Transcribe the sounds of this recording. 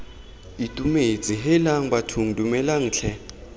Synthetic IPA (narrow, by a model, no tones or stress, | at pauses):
itʼumed͡zʼiɦɛlaŋ̩batʰuŋ̩dʼumɛlaŋ̩ːt͡ɬʰɛ